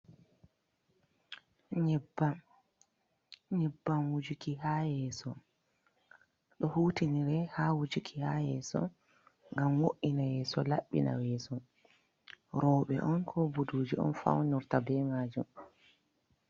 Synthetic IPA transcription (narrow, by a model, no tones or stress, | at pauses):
ɲɛba | ɲɛbːamwud͡ʒukiɦaːjɛːsɔ | ɗɔhuːtiniɾɛhaːwud͡ʒikʰihajɛːsɔ̰ | ŋɡamwoʔːinajɛːsɔla̰ɓːḭna̰wɛːsɔ | ɾɔːɓɛ̰ʔɔnkʰɔbuduːd͡ʒiɔ̰nfa̰wnuɾtabɛmaːd͡ʒum